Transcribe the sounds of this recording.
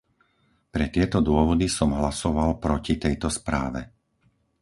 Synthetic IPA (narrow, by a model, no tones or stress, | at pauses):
pɾɛt̪ɪɛt̪ɔd̪ʊɔʋɔd̪isɔmɦlasɔʋalpɾɔcit̪ɛjt̪ɔspɾa̰ːʋɛ̰